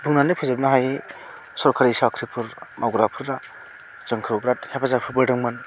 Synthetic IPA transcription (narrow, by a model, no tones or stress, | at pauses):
buŋnanɯpʰuzab̚naɦaj | sɔɾkʰaɾisakʰɾipʰuɾmʔawɡɾapʰuɾda | zɯŋkʰɯwbɾat̚hepʰazapʰɯɾbɯdɯŋmɯn